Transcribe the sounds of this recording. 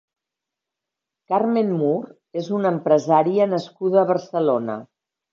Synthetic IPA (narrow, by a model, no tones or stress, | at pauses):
kaɾmenmuɾ | ezunəmpɾəzaɾiənəskuðəːβərsəlonə̰